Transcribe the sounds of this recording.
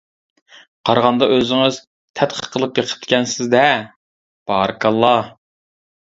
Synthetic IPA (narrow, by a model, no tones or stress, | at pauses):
qʰɑɾʁɑnd̪ɑʔøzɪŋɪz | t̪ʰɛt̪χʰə̥qʰəlˠɨpjeqʰə̥p̚t̪kʲɛnsɪzd̪ɛ | b̥ɑːɾɨkʰɑlˠːɑ